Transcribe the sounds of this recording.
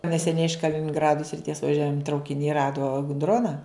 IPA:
nʲɛsʲɛˈnʲɛɪ ɪʃ kɐlʲɪnʲɪŋˈɡrɑːdʊ sʲrʲɪˈtʲiɛs ʋɐˈʒʲuɔjɛn trɐʊkʲɪˈnʲɪ ˈrɑːdoː k ˈdroːnɐ

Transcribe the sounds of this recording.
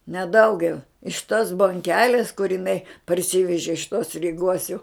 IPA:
nʲɛ ˈdɐʊɡʲɛʊ ɪʃ toːs boːŋʲˈkʲæːlʲeːs kʊr ɪˈnɐɪ pɐrʲˈsʲiːʋʲɛʒʲɪ ɪʃ toːs rʲiːˈɡoːs jɛʊ

